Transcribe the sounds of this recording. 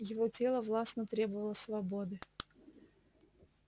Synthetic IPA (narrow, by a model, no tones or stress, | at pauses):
jɪvo̞tʲe̞lˠəvlˠasnət̪ɾʲe̞bəvəlˠəsvɐbod̪ɨ